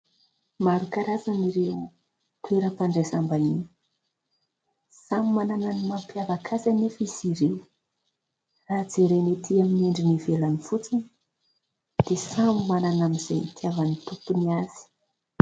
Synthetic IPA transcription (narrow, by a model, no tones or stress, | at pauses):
maɾukaɾazaniɾe | t̪weɾəpaɳɖ͡ʐesambanin | samimanananimampjavakʰazanefiziɾe | rad͡zeɾenet̪ʰiamineɳɖ͡ʐinivelanifut͡sinə̥ | d̪̥esamimananamizejt̪ʰiavanit̪upuniaz̥i̥